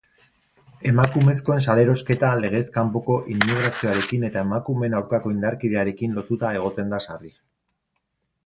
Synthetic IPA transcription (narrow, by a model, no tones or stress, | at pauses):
e̞makume̞sko̞e̞nsale̞ɾo̞ske̞t̪ale̞ɣ̞e̞skampo̞ko̞ʔinːiɣ̞ɾasio̞aɾe̞kine̞t̪ae̞makume̞nawɾkako̞ind̪aɾkiðe̞aɾe̞kinlo̞t̪ut̪ae̞ɣ̞o̞t̪e̞nd̪asari